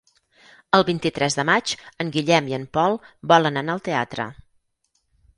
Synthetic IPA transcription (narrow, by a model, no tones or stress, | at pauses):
əlˠβint̪it̪ɾɛzðəmat͡ʃəŋɡiʎɛmiəmpɔlˠbɔlənənaəlˠt̪ea̰t̪ɾə̰